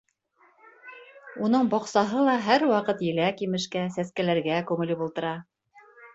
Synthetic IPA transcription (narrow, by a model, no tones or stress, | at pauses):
un̪ɤɴbɒqsɑɦɤlˠɑɦæɾwɑqɤt̪jɘ̆lækimɘ̆ʃkæsæskælæɾɡækʉŋɘ̆lɘpulˠt̪ɤ̆ɾɑ